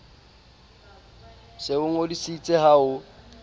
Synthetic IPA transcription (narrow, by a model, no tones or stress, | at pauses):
seʊŋ̩odisit͡sʼɛhaʊ